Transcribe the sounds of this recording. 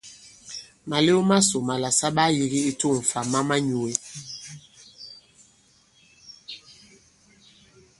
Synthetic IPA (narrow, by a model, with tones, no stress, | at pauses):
ma˨le˦o˦ma˦so˨ma˨la˨sa˦ɓa˦ji˦ɣi˦i˦to˦˨ɱ̩˨fa˨ma˦ma˦ɲu˨e˦